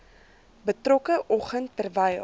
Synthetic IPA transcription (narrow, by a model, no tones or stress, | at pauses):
bətrɔkəʔɔχəntːərvəj